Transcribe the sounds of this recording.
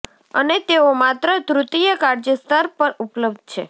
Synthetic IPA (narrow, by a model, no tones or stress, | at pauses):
ənet̪eomat̪ɾət̪ɾut̪ijəkaɾd͡ʒəst̪ʰaɾpəɾupləbd̪̚ʱt͡ʃʰḛ